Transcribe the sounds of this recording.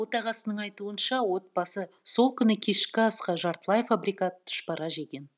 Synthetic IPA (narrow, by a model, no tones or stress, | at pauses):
o̞t̪ɑʁɑsənəɴɑjt̪uənʃɑwo̞t̪̚bɑsə | so̞lˠkʲʰʏnɪkʲʰe̞ʃkʲɪɑsqɑʒɑɾt̪əlˠɑjfabɾijkat̪ʰːʏ̥ʃpɑɾɑʒe̞ɡʲe̞n